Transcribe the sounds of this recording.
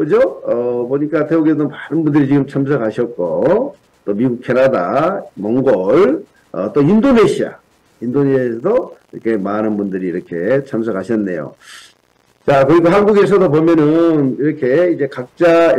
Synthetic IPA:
kɯd͡ʑoʌpoɲik͈ateoɡesdomanɯnbundɯɾit͡ɕiɡɯmt͡ɕʰamsʰʌkaɕʰiʌt̚k͈o | t͈omiɡuk̚kʰe̞nada̰mʌŋɡʌɭ | ʌ̰t͈oindoneɕʰia̰ | indonesʰʌdoiɾʌkʰe̞manɯnbundɯɾiːɾʌkʰe̞t͡ɕʰams̬ʰʌkaɕʰʌnːe̞jo̰ | t͡ɕakɯɾiɡoɦanɡuɡesʰʌdopomjʌnɯniɾʌkʰe̞id͡ʑe̞kak̚t͡ɕ͈a

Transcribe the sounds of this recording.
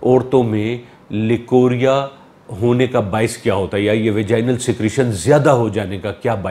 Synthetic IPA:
ɔːɾt̪õmẽ | lɪkoːɾija | ɦoːnekabaːɪskjaːɦoːt̪aɦjajeʋed͡ʒaːɪnəlsɪkɾiʃənzjaːd̪aɦod͡ʒaːnekakjaːbaː

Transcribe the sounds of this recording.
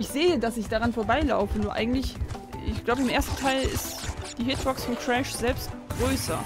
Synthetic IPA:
ʔɪçz̥eːədasɪçd̥aʁanfoɐbaɪla̰ʊfənuːɐʔaɪɡŋ̩tlɪçɪ̰çɡ̥laʊbəɪmʔeːɐstn̩tʰaɪlɪ̰std̥iːɦɪtb̥ɔksfotʁ̥ɛʃz̥ɛlpstɡ̥ʁøːsɐ̰

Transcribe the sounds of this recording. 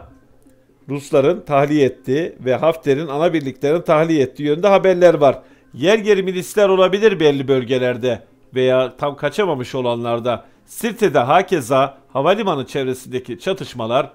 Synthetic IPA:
ɾuslˠaɾɯnt̪ʰahlʲijɛt̪ʰːiːvɛɦaft̪ʰlʲeɾinanabiɾlʲiclʲeɾinit̪ʰahlʲijɛt̪ʰːiːjønynd̪ɛɦabæɾlʲæɾvaɾ̥ | jæɾjeɾiminʲislʲæɾo̞lˠabilʲiɾbɛlʲːibø̞lʲɟe̞lʲæɾd̪ɛ | ve̞jaːt̪ʰamkʰat͡ʃʰamamɯʃo̞lˠanlˠaɾd̪a | siɾt̪ʰed̪ɛɦaːcʰezahavalʲimanɯt͡ʃʰevɾe̞sind̪ecʰit͡ʃʰat̪ʰɯʃmalˠaɾ

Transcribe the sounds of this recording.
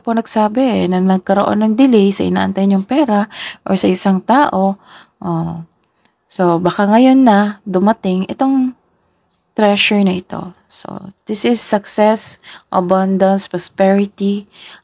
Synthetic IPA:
ponɐɡsaːbɛʔɛnɐnɐɡ̚kɐɾoʔo̰nːɐŋd̪ɪlɛjsɐʔɪ̰na̰ːʔɐ̰nt̪ajɲʊŋpɛːɾaʔo̰ɹsɐʔɪsaŋt̪aːʔo̞ʔo | sobɐkaŋɐjo̞nːɐd̪ʊmɐt̪ɪŋɛt̪o̞ŋ | t̪ɾɛʃɛɹnɐʔɪt̪o̞̰ | so̰d̪̥ɪsɪsːɐksɛsʔɐ̰band̪ɐnspɹɔspɛɹɪt̪i

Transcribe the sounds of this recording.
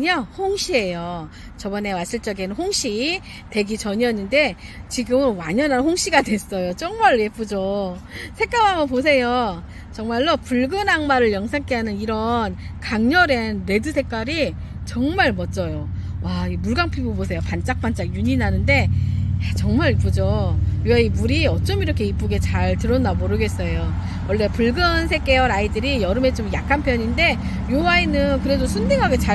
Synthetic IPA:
ɲahoŋɕʰie̞jo | t͡ɕʌbʌne̞was͈iɭt͡ɕ͈ʌɡenɯnhoŋɕ͈ʰi | te̞ɡit͡ɕʌɲʌnːɯnde̞t͡ɕiɡɯmɯnwaɲʌnɦanɸoŋɕ͈iɡadwe̞s͈ʌjot͡ɕʌŋmaɭje̞p͈ud͡ʑosʰek͈amamʌpos̬ʰe̞jo | t͡ɕʌŋmaɭːopuɭɡɯnaŋmaɾɯɭjʌŋsʰaŋkʰeɦanɯniɾʌnkaŋɲʌɾenɾe̞dɯsʰe̞k͈aɾi | t͡ɕʌŋmaɭmʌt͡ɕ͈ʌjowaimuɭɡaŋpʰibobosʰe̞jopant͡ɕ͈ak̚p͈ant͡ɕ͈akjuɲinanɯnde̞jat͡ɕʌŋmaɾipud͡ʑojowaimuɾiʌt͡ɕ͈ʌmiɾʌkʰe̞ip͈uɡe̞t͡ɕaɭtɯɾʌnːamoɾɯɡe̞s͈ʌjo | wʌɭːe̞puɭɡɯnsʰe̞k͈e̞jʌɾaidɯɾijʌɾɯme̞t͡ɕomjakʰanpʰjʌɲinde̞ | jowainɯnkɯɾe̞dosʰundeŋɦaɡe̞t͡ɕa

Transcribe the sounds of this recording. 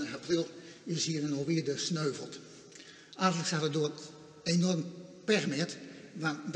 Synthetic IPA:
əhaprilˠɪshiənənoʋiədəsnøːvəlˠt | arxələksatədoət | enɔrmpɛrmɪtʋand

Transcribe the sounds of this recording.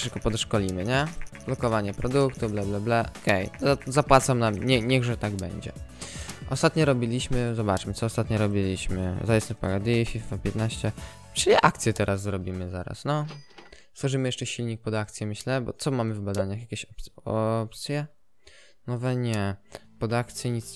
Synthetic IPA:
ʂɘkɔpɔd̪ɔʂkɔlʲimɘɲɛb̥lɔkɔvaɲɛpɾɔd̪ukt̪ublɛblɛblɛʔɔkɛjazapwat̪samnamɲɛɲɛɣʐɛt̪aɡbɛ̰ɲd͡ʑɛ̰ | ʔɔ̰st̪at̪ɲɔɾɔbʲilʲiɕmɘzɔbat͡ʂmɘt̪sɔːst̪at̪ɲɔɾɔbʲilʲiɕmɘ̰zajɛsɛfpaɡad̪ifʲifapʲjɛt̪naɕt͡ɕɛ | t͡ʂɘlʲiʔak̚t̪sʲjɛt̪ɛɾʔazːɾɔbʲimɘzaɾa̰snɔ | st̪wɔʐɘmɘjɛʂt͡ʂɛɕilʲɲik̚pɔd̪akt̪sʲjɛmɘɕlɛbɔ̰t̪sɔmamɘvbad̪aɲaxjakʲeɕɔpɔpt̪sʲjɛ | nɔvɛɲɛpɔd̪akt̪sʲjɛɲit̪s

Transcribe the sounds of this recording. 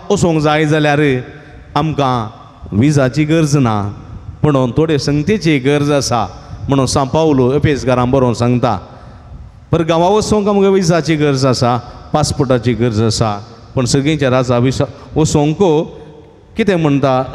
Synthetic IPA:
ɔsõŋɡd͡zaid͡zaljaɾe | amkã | ʋid͡zat͡ɕiɡəɾd͡znapəɳ̃ont̪ʰoɽesə̃ŋɡt̪et͡ɕeɡəɾd͡zəsam̤əɽ̃ũnsãpauloəpesɡaɾãmbəɾonsãŋɡt̪a̰ | pəɾɡãʋãʋəsõŋkamkãʋid͡zat͡ɕiɡəɾd͡zasapaspəʈat͡ɕiɡəɾd͡zəsa | pəɳsəɡĩt͡ɕaɾad͡zaʋis | ɔsõŋɡko | kit̪ʰem̤əɳt̪a

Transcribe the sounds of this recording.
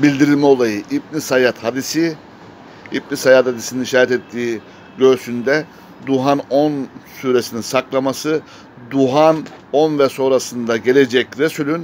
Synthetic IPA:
bilʲd̪iɾilʲmɛo̞lˠajɯʔib̚nisajat̪had̪isi | ibnisajat̪had̪isininiʃaːɾɛt̪ɛt̪ʰːiː | ɟø̞ɾsynd̪ɛ | d̪uɦanonsyɾesininsaklˠamasɯ | d̪uɦanonvɛso̞nɾasɯnd̪aɟe̞lʲe̞d͡ʒɛcɾesylʲyn

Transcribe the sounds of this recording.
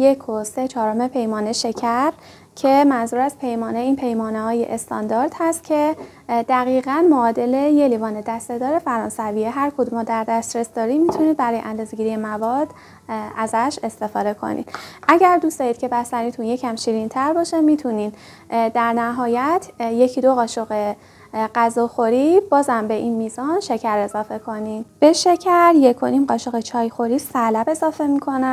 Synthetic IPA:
jekʰose̞t͡ʃʰɒːɾome̞pʰe̞jmɒːneʃe̞cʰæɾ | cʰe̞mænzuːɾæz̥pʰe̞jmɒːneiːnpʰe̞jmɒːnehɒːje̞̰ʔest̪ʰɒ̰nd̪ɒːɾd̪̥hæst̪cʰe̞ | d̪̥æɣiːɣænmoːd̪e̞le̞je̞livɒːned̪æst̪ed̪ɒːɾe̞fæɾɒːnsæviːeɦæɾkʰod̪umɒːd̪æɾd̪æst̪ɾe̞sd̪ɒːɾiːmit̪ʰuniːd̪bæɾɒːjeʔænd̪uzeɟiɾije̞mævɒːd̪̥ | ʔæzæʃe̞st̪e̞fɒːd̪e̞kʰo̰nḭd̪̥ʔæɟæɾd̪usd̪ɒːjiːd̪̚cʰe̞bæst̪ænit̪ʰunje̞cʰæmʃiːɾint̪ʰæɾbɒːʃemiːt̪ʰunid̪ | d̪æɾnæɦɒːjæt̪ʰjecʰid̪oɣɒːʃo̞ɣe | ɢæzɒːxo̞ɾibɒːzæmbe̞ʔinmiːzɒnʃe̞cʰæɾe̞zɒːfe̞kʰo̞nid̪̥b̥e̞ʃe̞cʰæɾje̞kʰo̞nimɢɒːʃo̞ɣet͡ʃʰɒːjxo̞ɾisælæbe̞zɒːfe̞mikʰo̞næ

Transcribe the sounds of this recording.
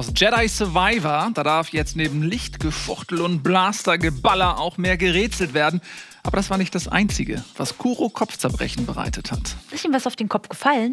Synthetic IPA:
aʊsd͡ʒɛɾaɪsɔɐvaɪvɐd̥aːdaɐfjɛt͡stneːbm̩lɪçtɡ̥əfʊʁtl̩ʊnt̚b̥laːstɐɡəbalɐʔaʊxmeːɐɡəʁeːt͡sl̩tv̥eːɐdn̩ʔaːbɐɾasv̥aːɐnɪçtd̥asʔa̰ɪnt͡sɪɡə̰va̰skʰuːʁokʰɔft͡sɛɐbʁɛ̰çn̩bəʁa̰ɪtʰəthatɪstiːmvasaʊfd̥eːnkʰɔpfɡ̥əfaln

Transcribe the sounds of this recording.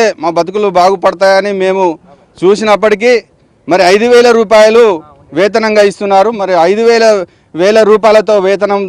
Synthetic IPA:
eːmaːbɐt̪̬ukulubaːɡupɐɽɐt̪̬aːjɐnime̞ːmu | t͡ʃuːsinɐp̬ːɐʈik̬i | mɐɾiɐjd̪uʋɛːlɐɾuːp̬aːjɐlu | ʋɛːt̪̬ɐnɐŋɡaːist̪unːaːɾumɐɾiɐjd̪uʋɛːlɐ | ʋɛːɭɐɾuːp̬aːjlɐt̪o̞ːʋɛːt̪̬ɐnɐm

